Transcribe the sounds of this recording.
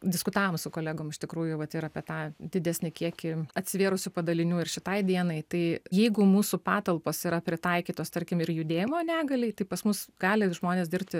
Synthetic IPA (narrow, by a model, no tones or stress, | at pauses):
d̪ʲɪskʊt̪ɑːʋoːmsʊkoːlʲæːɡoːmɪʃt̪ʲɪkɾuːjʊʋɐt̪ɪɾɐpʲiɛt̪ɑːd̪ʲɪd̪ʲæsʲnʲɪkʲiɛkʲɪɐt̪ʲsʲɪʋʲeːɾʊsʲʊpɐd̪ɐlʲɪnʲuːɪrʃʲɪt̪ɐɪd̪ʲiɛnɐɪt̪ɐɪjɛɪɡʊmuːsʊpɑːt̪ɐlˠpoːsiɾɐpʲɾʲɪt̪ɐɪkʲiːt̪oːst̪ɐɾʲkʲɪmɪrjʊd̪ʲeːjɪmoːnʲæːɡɐlʲɪt̪ɐɪpɐsmʊsɡɑːlʲɪʒmoːnʲeːsd̪ʲɪɾʲpʲt̪ʲɪ